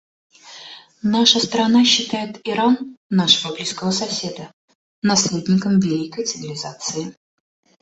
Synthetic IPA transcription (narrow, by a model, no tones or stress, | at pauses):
naʂəst̪ɾɐnaɕːɪt̪ajɪt̪ɪɾanːaʂəvəblʲijskəvəsɐsʲe̞d̪ə | nɐslʲed̪ʲnʲɪkəmvʲɪlʲikəjt̪sɨvʲɪlʲɪzat̪sɨɪ